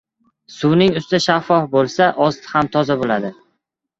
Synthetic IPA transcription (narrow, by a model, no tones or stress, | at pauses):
sʊwnɪŋʊst̪ɪʃafːɒfbolˠsaʔɒst̪ʰɪ̥hamt̪ʰɒzabolad̪ɪ